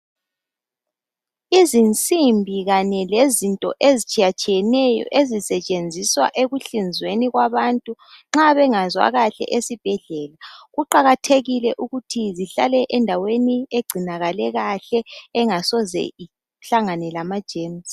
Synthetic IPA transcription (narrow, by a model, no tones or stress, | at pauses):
izint͡sʼimbʱiɣaɲɛlezintʼɔ̰ʔezit͡ʃʼijat͡ʃʼijɛnɛjɔ̰ʔezisɛt͡ʃʼend͡zʱiswa̰ʔeɣuɬind͡zʱweniɣwaβantʼuŋ͡ǁaβɛŋazwa̰ɣaɬɛ̰ʔesib̥ʱɛɮɛlaɣuǃaɣatʰeɣilɛʔuɣutʰiziɬa̰lɛʔɛndʱawenieɡ͡ǀʱinaɣalɛɣaɬɛːŋasɔzɛ̰i | ɬaŋanɛlamad̥ʒ̥ʱeːms